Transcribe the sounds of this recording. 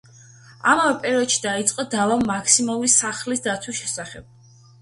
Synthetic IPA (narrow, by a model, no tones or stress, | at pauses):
a̰mavɛpʼɛɾɔd̪ʃi̥d̪ait̪sʼqʼɔd̪avaakʰsimalˠuɾisaχlisd̪at̪sʰwisʃɛsaχɛb̥̚